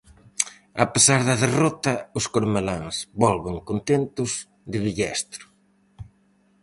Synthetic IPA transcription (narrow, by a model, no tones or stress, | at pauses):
ɐ̰pesaɾðɐðerɔt̪ɐʊskoɾmelaŋsβɔlβɪŋkont̪ent̪ʊz | d̪ɪβiʎɛst̪ɾʊ̥